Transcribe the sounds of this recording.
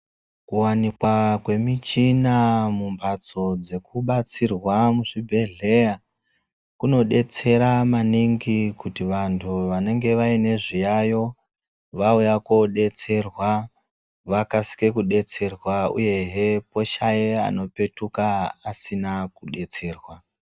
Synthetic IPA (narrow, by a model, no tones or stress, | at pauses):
kuwanikwakwe̞mit͡ʃinamumbʱat͡so̞d͡ze̞kuɓat͡sirwamuʐibʱe̞ɮe̞ja | kuno̞ɗe̞t͡se̞ɾamaniŋɡikutiʋantʰuʋane̞ŋɡe̞ʋaine̞ʐijajo̞ | ʋaujako̞ɗe̞t͡se̞rwa | ʋakasi̥ke̞kuɗe̞t͡se̞rwaṵje̞ɦepo̞ʃajea̰no̞pe̞tukaasinakuɗe̞t͡se̞ːrwa